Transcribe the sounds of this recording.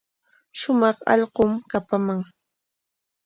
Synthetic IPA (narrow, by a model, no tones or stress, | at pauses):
ʃʊmɑχɑ̰ʎɢomkapamaŋ